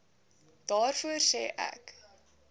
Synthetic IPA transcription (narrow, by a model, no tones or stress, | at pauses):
d̥ɑːrfuərsɛːʔæ̰k